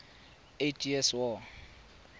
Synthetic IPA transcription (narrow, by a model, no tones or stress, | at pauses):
etʰʼiɛswɔ